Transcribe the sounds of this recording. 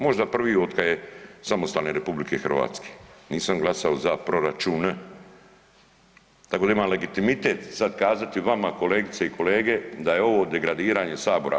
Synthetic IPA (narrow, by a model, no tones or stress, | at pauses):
mo̞ʒd̪apr̩ʋiːo̞t̪kajesamost̪aːlneɾe̞publikʰe̞xr̩ʋa̰ːt̪ske̥niːsamɡlˠasaozapɾo̞ɾat͡ʃune | t̪akod̪aimamle̞ɡit̪imit̪e̞ːt̪sad̪kaːzat̪iʋamako̞le̞ːɡit̪seikʰo̞le̞ːɡe̞d̪aje̞o̞ʋo̞ːd̪e̞ɡɾad̪iːɾaːɲe̞saːbo̞ɾa̰